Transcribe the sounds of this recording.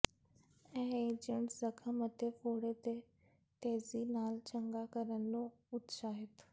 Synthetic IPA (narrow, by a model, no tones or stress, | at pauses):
ɛ̃ːẽd͡ʒɪɳzəkʰəmət̪efoːɽet̪e | t̪eːziːnaːlt͡ʃəŋɡakəɾənːũː | ʊt̪ʃaːɦɪt̪